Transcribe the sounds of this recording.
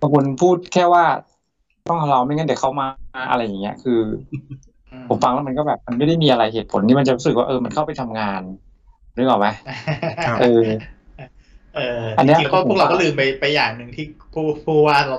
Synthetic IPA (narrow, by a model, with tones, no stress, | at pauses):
ŋkʰu˧npʰuː˥˩t̪̚kʰɛː˥˩waː˥˩ | t̪ɔ˥˩ŋkʰa˧la˧wma˥˩jŋɤ˥˩n˨˩kʰa˦˥˩wmaː˧ʔa̰˧ɾa˧jːa˨˩ŋːi˦˥ɐkʰɯː˧ | pʰo˩˦mfa˧ŋlɛ˦˥˩ma˧kɔː˥˩bɛː˨˩p̚ma˧nma˥˩jda˥˩jmiː˧ʔa˧ɾa˧jɦeː˨˩t̪̚pʰo̰˨˩˦nt̪ʰiː˥˩ma˧nt͡ɕa˨˩ɾu˦˥sɯ˨˩k̚waː˥˩ʔɤː˧ma˧nkʰa˥˩wpa˧jt̪ʰa˧mŋaː˧n | ɾɯ˦˥ʔa˨˩ma˦˥ | ʔɤː˧ | ʔɤː˧ʔa˧nːi˦˥ʔʰu˥˩k̚ɾa˧kɔ˥˩lɯː˨˩mpa˧jpa˧jːaː˨˩ŋnɯ˧ŋt̪ʰiː˥˩pʰuː˥˩pʰuː˥˩waː˥˩˧